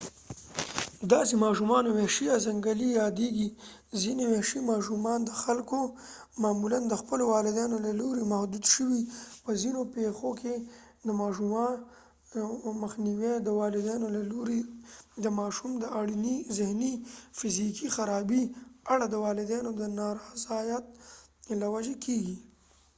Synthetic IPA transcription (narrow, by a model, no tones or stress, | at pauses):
d̪ɑsemɑʃumɑnowehʃijazaŋɡəlijɑd̪eɡi | zineweʃimɑʃumɑnd̪əxalko | mɑːmuland̪əxpəlowɑlɪd̪ɑnolaloɾemahd̪ud̪ʃəwipəzinopexokʰe | d̪əmɑʃum | məxniwed̪əwɑlɪd̪ɑnolaloɾid̪əmɑʃumd̪əaɽinizɪhnifɪzikixaɾɑbiaɽad̪əwɑlɪd̪ɑnod̪ənɑɾɑzɑjat̪̚lawad͡ʒekʰeɡi